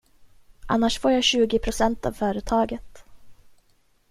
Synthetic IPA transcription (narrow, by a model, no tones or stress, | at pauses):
ʔanːaʂfoːɾjaɕʉ̟ːɡɪpʰɾʊsɛnt̪a̰vfœːɾət̪ʰɑːɡət̪